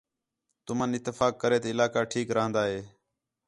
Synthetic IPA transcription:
t̪ʊmənɪt̪ːɪfaːkːəɾeːt̪ːɪlaːkaːʈʰiːkɾəɦə̃nd̪aːɦeː

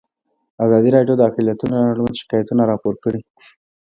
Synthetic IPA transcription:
azɑd̪iɾɑɖjod̪əakɪljat̪unaɽumaʃɪ̥kɑjat̪unaɾɑpoɾkəɽi

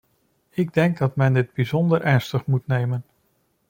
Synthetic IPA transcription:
ɪɡdɛŋɡ̚dɑtmɛndɪd̚bizɔndəɹʔɛɹnstəχmutnejmən

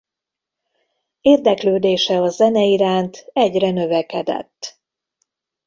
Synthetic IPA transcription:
eːrd̪ɛkløːd̪eːʃɛɒzɛnɛiɾaːnt̪ɛɟrɛnø̞vɛkɛd̪ɛ̰t̪ː

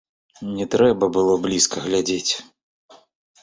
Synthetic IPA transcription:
nʲɛt̪ɾɛbɐbɨlˠɔblʲiskʰɐɣlʲad͡zʲet͡sʲ

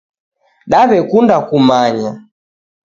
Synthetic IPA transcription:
ɗaβɛkundakumaɲa

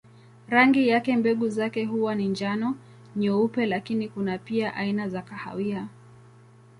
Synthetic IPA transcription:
ɾaŋɡijakɛmbɛɠuzakɛɦuwanind͡ʒanɔ | ɲɔupɛlakinikunapiaʔainazakaha̰wia

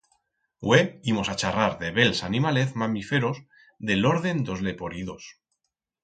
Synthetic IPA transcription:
weimosat͡ʃaraɾðeβelsanimaleθmamifeɾos | ðe̞lo̞ɾðe̞nd̪o̞zle̞po̞ɾiðo̞s

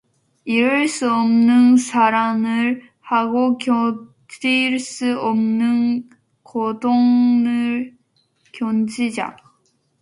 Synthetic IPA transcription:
iɾɯɭs͈uʌmnɯnsʰaɾamɯɾ | haɡokjo | d͡ʑiɭs͈ɯʌmnɯn | kodoŋnɯ | kjond͡ʑid͡ʑa̰

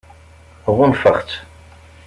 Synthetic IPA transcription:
ʁʊnfəχt̪

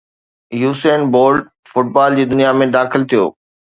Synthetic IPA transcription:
juːseːnboːlɖ | fʊʈ̚baːld͡ʑiːd̪ʊnijamẽd̪aːxɪlt̪ʰijo̰ː

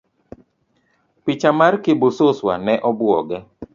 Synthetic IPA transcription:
pɪt͡ʃamarkɪbʊsʊswa̰nɛʔɔbwɔ̰ɡɛ

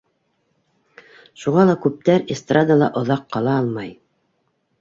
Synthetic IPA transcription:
ʃuʁɑlˠɑkʉp̚t̪æɾest̪rad̪alˠɑʔŏðɑqːɑlˠɑɑlˠmɑj

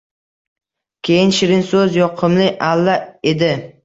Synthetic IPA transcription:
kʲʰejɪnʃɪɾɪnsɵzjɒqʰɨmlɪʔalːae̞d̪ɪ

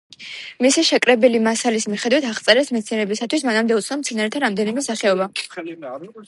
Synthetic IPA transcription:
misiʃɛkʼɾɛbɛlimasalismiχɛd̪wit̪ʰaʁt̪sʼɛɾɛsmɛt̪sʰiɛnɛbisat̪ʰwismanamd̪ɛut̪sʰnɔmt̪sʰɛnaɾɛt̪ʰaɾamd̪ɛnimɛsaχɛɔba

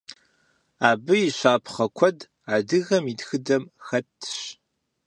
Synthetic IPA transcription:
aːbɨjiɕʷaːpʰχɐkʷʰɔd | aːdɨɣɐmitxɨdɐmxɐtʰːɕ

